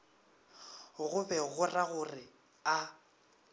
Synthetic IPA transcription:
ɣʊbɛɣʊraɣʊrɪ | a

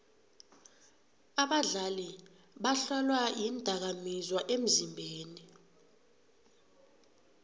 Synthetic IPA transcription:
aɓaɮali | ɓaɬɔlwajindʱak̬amizwaʔem̩zimbʱeːni

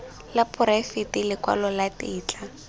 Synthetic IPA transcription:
lapʊɾafɪtɪlɪkwa̰lɔlatɪːt͡ɬʼa

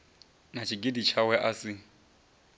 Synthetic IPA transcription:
nat͡ʃʰiɡidit͡ʃʰawɛʔasɪ

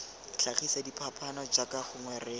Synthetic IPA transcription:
ɬʰaχisadipʰapʰanɔd͡ʒakaχʊŋwɛːrɪ

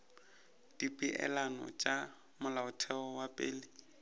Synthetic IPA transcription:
d̥ipʼɪʔɛ̰lanɔ̰t͡ʃʼa | mʊlaʊtʰɛɔwapʼḛːlɪ

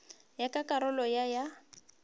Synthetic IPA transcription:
jakakʼaɾʊlɔjaja

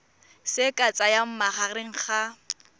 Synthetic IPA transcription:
sɪkʼat͡sʼajam̩maχarɪŋ̩χa

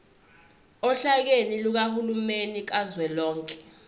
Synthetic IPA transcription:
ɔɬak̬eniluk̬ahulumenik̬azwɛlɔːŋkʼɛ̥

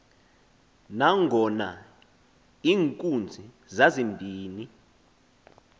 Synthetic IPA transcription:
naŋʱɔna | iːŋkʼund͡zʱi | zazimbʱiːni

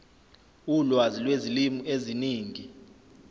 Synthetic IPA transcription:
ulwazilwezilimueziniːŋi

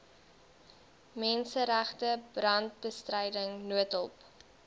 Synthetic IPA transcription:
mɛnsəɾæχtəb̥rɐnt̚bəstrəjdəŋnuətɔp

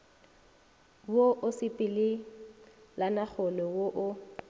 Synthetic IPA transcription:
woʔʊsɪpʼɪlɪ | lanak͡xʊlɔwoʔʊ

